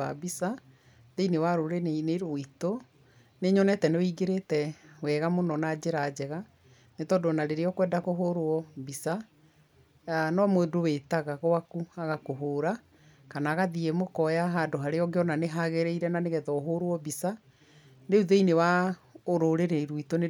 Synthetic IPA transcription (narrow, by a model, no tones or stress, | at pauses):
a̰bisa | ðeinewaɾoɾenneɾoito | neɲɔnɛtɛnewiɡeɾetɛwɛɣamonɔnad͡ʑeɾad͡ʑɛɣa | netɔːdonaɾeɾeɔkwɛːndakoɦoɾoɔbisa | anɔmwendowetaɣaɣoakuaɣakoɦoːɾa | kanaːɣaðiemokɔjaɦadoɦaɾeɔɡeɔnaneɦaɣeɾeiɾɛnaneɣɛðɔɦoɾwɔbisa | neuðeinewaoɾoɾeɾeiɾoitone